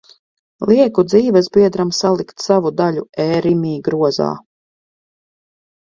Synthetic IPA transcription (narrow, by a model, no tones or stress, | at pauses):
lˠiɛkud̪ziːvɛzbiɛd̪ɾamsalˠikt̪savud̪aʎʲuɛːɾimiːɡɾuɔza̰ː